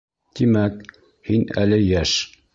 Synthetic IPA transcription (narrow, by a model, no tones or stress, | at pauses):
t̪imæk | hinæ̰lɘjæʃ